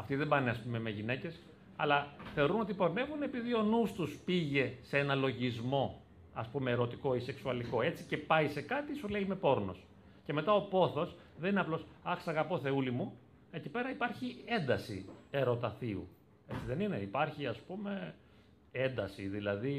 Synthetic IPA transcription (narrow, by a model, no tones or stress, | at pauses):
ɐft̪iðebɐneɐspume̞me̞ʝine̞ce̞s | ɐ̰lɐθe̞o̞ɾuno̞t̪ipo̞ɾne̞vune̞piðio̞nust̪uspiʝe̞seenɐlo̞ʝizmo̞ | ɐspume̞ːɾo̞t̪iko̞ise̞ksuɐliko̞e̞t͡si̥ce̞pɐise̞kɐt̪isule̞ime̞po̞ɾno̞̰s | ce̞me̞t̪ɐo̞po̞θo̞s | ðenineɐplo̞sɐxsɐɣɐpo̞θe̞ulimu | e̞cipe̞ɾɐipɐɾçie̞nd̪ɐsḭe̞ɾo̞t̪ɐθiṵ | e̞t͡siðe̞nine̞ipɐɾçiɐspume̞ | end̪ɐsiðilɐði